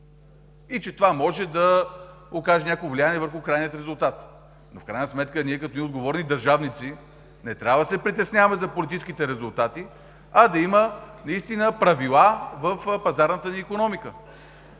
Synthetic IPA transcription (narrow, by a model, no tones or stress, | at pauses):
it͡ʃɛt̪ovamɔʒɛd̪ɐ | okaʒɛnʲakoovlianiɛvəɾxukɾajnijət̪ɾɛzʊlˠt̪at̪ | nofkɾajnəsmɛt̪kəniɛkɐt̪ɔniod̪ɡovɔɾnid̪ɐɾʒavnit̪si | nɛt̪ɾʲavɐd̪sɛpɾit̪ɛsnʲavəmɛzɐpolʲit̪it͡ʃskit̪ɛɾɛzʊlˠt̪at̪i | ɐd̪ɐimənɐist̪inəpɾɐvilˠavəfpɐzaɾnət̪əniːkonɔmikə